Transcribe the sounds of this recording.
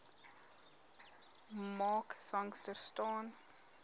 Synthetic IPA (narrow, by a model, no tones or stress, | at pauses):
mɑːksãŋstəstɑːn